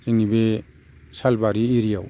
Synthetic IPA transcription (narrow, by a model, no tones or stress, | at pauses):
ɾiŋibe | salbaɾiːɾijaw